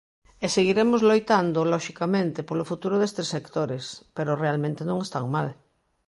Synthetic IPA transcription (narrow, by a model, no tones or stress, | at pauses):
eseɣiɾemʊzlojt̪and̪ʊlɔʃikamẽnt̪ɪpolofut̪uɾʊðest̪esːekt̪oɾɪspeɾʊrealmẽnt̪enõŋest̪aŋmal